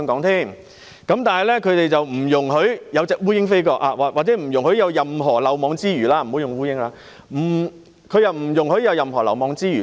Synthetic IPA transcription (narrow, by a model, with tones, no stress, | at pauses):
ŋkɔː˨˥ŋt̪ʰiː˥˩ŋ | kɐ˨˥mt̪aː˨nɦɐ˨jlɛː˥kʰɵ˨˧t̪e˨jt͡sɐ˨wm̩˨˩jʊ˨˩ŋɦɵ˨˥ɥjɐ˨˧wt͡sɛː˨k̚wuː˥jɪ˥ŋfe˥jkɔː˧k̚aː˧wːwaː˨k̚t͡sɛ˨˥m̩˨˩jʊ˨˩ŋhɵ˨˥jɐ˨˧wjɐ˨mɦɔː˨˩lɐ˨˩wmɔː˨˧˥ŋt͡siː˥ɥyː˨˩laː˧m̩˨˩o˨˥wjʊ˨ŋwuː˥jɪ˥ŋlaː˧˥ | m̩˨˩ | kʰɵ˨˧ɥjɐ˨wm̩˨˩jʊ˨˩ŋhɵ˨˥ɥjɐ˨˧wjɐ˨mɦɔː˨˩lɐ˨˩wmɔː˨˧ŋt͡siː˥ɥyː˨˩